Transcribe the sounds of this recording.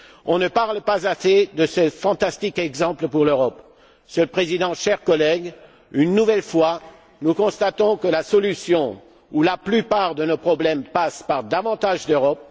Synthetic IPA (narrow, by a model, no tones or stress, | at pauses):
ɔ̃nəpaʁlpazased̪əsəfɑ̃t̪ast̪ikɛɡzɑ̃pləpuʁløʁɔp | səpχezid̪ɑ̃ʃɛʁkɔlɛɡ | ynːuvɛlfwa | nukɔ̃st̪at̪ɔ̃kəlasɔlysjɔ̃ | ulaplypaʁd̪ənopχɔblɛmpaspaʁd̪avɑ̃t̪aʒd̪øʁɔp̚